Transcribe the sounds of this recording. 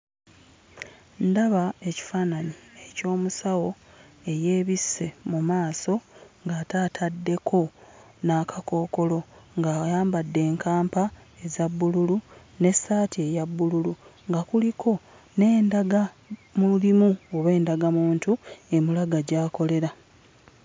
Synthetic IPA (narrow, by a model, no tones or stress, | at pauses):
ndaβae̞ci̥faːnanie̞co̞ːmusawo̞ | e̞je̞ːβisːe̞mumaːso̞ŋɡaːtaːtʰadːe̞kʰo̞ | naːkako̞ːko̞lo̞ŋɡaːjaːmbadːe̞ːŋkʰaːmpae̞zaβːululu | ne̞sːaːtie̞jaβːululuŋɡakulikʰo̞ | ne̞ːndaɡa | mulimuoβe̞ːndaɡamuːntue̞mulaɡaɟaːko̞le̞ɾa